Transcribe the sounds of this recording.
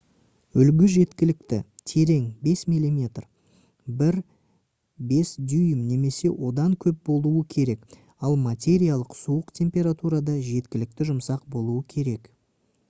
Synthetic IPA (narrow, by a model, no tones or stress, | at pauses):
ʏlɡʲɪʒe̞t̪kʲɪlɪkt̪ɪ̰t̪ʰe̞ɾe̞ŋbe̞smijlʲˠimʲe̞t̪r | bɪɾ | be̞sd̪yjəmne̞me̞se̞wʔo̞d̪ɑŋkʲʰɵp̚bo̞lˠuəkʲʰe̞ɾe̞k | ɑlˠmat̪ʲe̞ɾijalˠəqsuəqt̪ʲʰe̞mpʲe̞ɾat̪uɾɑd̪ɑʒe̞t̪kʲɪlɪk̚t̪ɪʒʊmsɑqbo̞lˠuəkʲʰe̞ɾe̞k